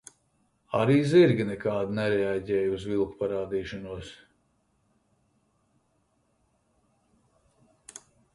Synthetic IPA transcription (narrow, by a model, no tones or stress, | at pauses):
a̰ɾiːziɾɡʲinɛkaːd̪nɛɾɛaɟɛːjuzvilˠku̥paɾaːd̪iːʃɔnuɔs